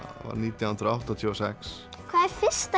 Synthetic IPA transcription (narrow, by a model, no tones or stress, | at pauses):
va̰ɾniːt̪jawhnd̪ɾaawht̪at̪ʰjusɛks | kʰvaːɛɾfɪst̪